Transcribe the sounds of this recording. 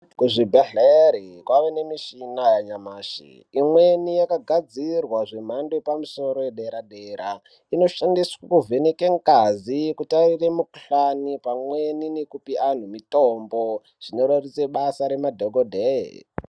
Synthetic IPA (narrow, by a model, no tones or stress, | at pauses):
kuʐibʱeɮeɾikwaʋene̞miʃinajaɲamaːʃḭ | imwe̞nijakaɡʱad͡zirwaʐe̞m̤andoepamuso̞ɾo̞jeɗe̞ɾaɗeɾa | ino̞ʃandiswakuvʱe̞nekeŋkazikutariremukɬanipamweninekupiʔan̤umitombo | ʐ̥ino̞ɾarit͡seɓasaɾe̞madʱoɡʱodʱe